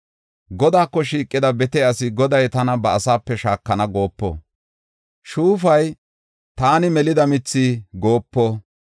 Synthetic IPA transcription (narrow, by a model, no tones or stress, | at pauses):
ɡɔd̪aːkːɔʃiːkʼːɪd̪ɐbɛt̪ɛɐsɪɡɔd̪ɐjt̪ɐnɐbɐːsaːpːɛʃaːkːɐnɐɡo̞ːpːo̰ː | ʃuːfɐj | t̪aːnɪmɛlɪd̪ɐmɪt͡sːiːɡo̞ːpːoː